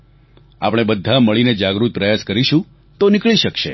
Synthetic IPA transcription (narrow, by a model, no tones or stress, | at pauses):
a̰pɽ̃ebəd̪ʱːaməɭined͡ʒaɡɾut̪̚pɾəjaskəɾiʃũ | t̪onɪkɭiʃəkʃḛ